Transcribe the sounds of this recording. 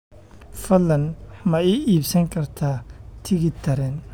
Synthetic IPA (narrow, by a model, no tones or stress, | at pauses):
fɐlːɐnmɐɛiːbsɐŋkʰɐrt̪ʰaːt̪ʰɪɣɪt̪ʰːɐɾɛːn